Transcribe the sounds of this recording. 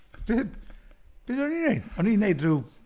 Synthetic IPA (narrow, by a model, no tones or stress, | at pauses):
b̥ɪdb̥ɪðɔninejd̥ɔninejdru